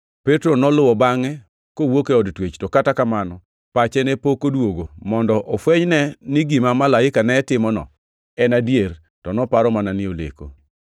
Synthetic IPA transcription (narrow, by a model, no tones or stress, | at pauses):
pɛtɾonɔlʊwɔbaŋɛ | kowokeɔdtwet͡ʃtɔkatakamanɔ | pat͡ʃɛnɛpokodwoɡomɔndɔʔɔfwɛɲnɛnɪɡimamalaɪkanɛtɪmɔnɔ̰ | ɛnadjer | tɔnɔpaɾɔmananɪolḛko̰